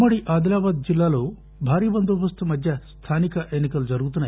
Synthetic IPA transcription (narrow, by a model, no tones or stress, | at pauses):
mɐɽiʔaːd̪ilaːʋaːd̪̚d͡ʒilːaːlu | bʱaːɾibɐnd̪ubɐst̪ʰumɐd̪ʱjɐst̪ʰaːnikɐʔenikɐld͡ʒɐɾuːt̪unɐ